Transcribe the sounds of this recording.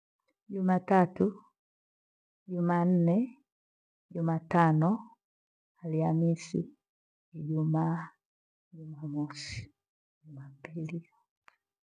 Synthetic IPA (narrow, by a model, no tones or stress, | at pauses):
ɟumatatu | ɟumaːn̩nɛ | ɟumatanɔ | aliamisiː | ɟumaː | ɟumamɔsi̥ | ɟumapili